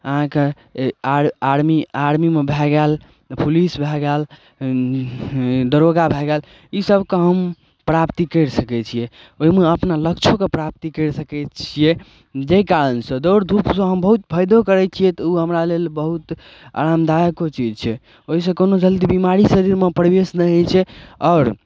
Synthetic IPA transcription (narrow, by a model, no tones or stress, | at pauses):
əɦãke | aɾmiaɾmimebʱɛɡɛl | pulisbʱɛɡɛl | d̪əɾoɡabʱɛɡɛl | isəbkeɦəm | pɾapt̪ikəɾsəkɛt͡ʃʰijɛ | oɦimeəpnaləkt͡ʃʰokepɾap̚t̪ikəɾsəkɛt͡ʃʰijɛ | d͡ʒekaɾənsə̃d̪oɾd̪ʱupsə̃ɦəmbəɦut̪̚bʰʱəjd̪okəɾɛt͡ʃʰijɛt̪ɔuɦəmɾalelbəɦut̪ | a̰ɾamd̪ajəkot͡ʃid͡ʒt͡ʃʰɛ | oɦis̬ə̃konod͡ʒəld̪ibimaɾisəɾiɾmepɾəbesnə̃t͡ʃʰɛɔːɾ